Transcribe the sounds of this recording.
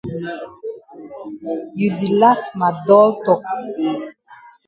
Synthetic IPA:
ju˨di˨la˦tma˨dɔ˦ltɔ˦˨k̚

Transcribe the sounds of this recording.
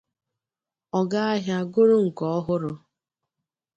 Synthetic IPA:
ɔ˨ɡa˦a˦ɦja˦ɡʊ˦ɾʊ˦ŋ̩˨kɔ˦ɔ˦ɦʊ˦ɾʊ˦

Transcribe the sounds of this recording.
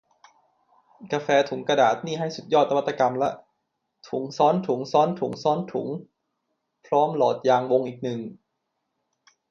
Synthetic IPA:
ka˧fɛː˧t̪ʰu˨˩˦ŋkɾa˧daː˨˩t̪̚niː˥˩ɦa˥˩jsu˨t̪̚jɔː˥˩t̪ːwa˩t̪ːa˧ka˧mlɛ˦˥ʔ | t̪ʰu˩˦ŋsɔː˦˥nt̪ʰu˨˩˦ŋsɔː˦˥nt̪ʰu˨˩˦ŋsɔː˦˥nt̪ʰṵ˩˦ŋ | pʰɾɔː˦˥mlɔː˨˩t̪̚jaː˧ŋwo˧ŋʔiː˨˩k̚nɯ˨˩ŋ

